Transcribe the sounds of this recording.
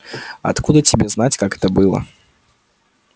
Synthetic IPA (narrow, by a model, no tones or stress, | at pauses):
a̰t̪kud̪ɐt͡sʲibʲɛznat͡sʲkakɛ̥t̪ɐbɨlˠɐ̰